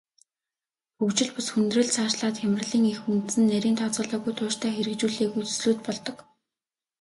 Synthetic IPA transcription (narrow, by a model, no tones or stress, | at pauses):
xɵkt͡ɕɪ̆ɮpʊsxɵnt̪rɵ̆ɮt͡sʰaːʃɮaːt̪xæmɪ̆rɮiːŋexunt̪sɘ̆nːæɾʲiːnt̪ʰɔt͡sɞ̆ɮʊːɣujt̪ʰʊːʃt̪ʰæːxeɾɘ̆kt͡ɕuːɮeːɣujt͡sɵ̥sɮuːt̪̚pɔɮt̪ɞ̆k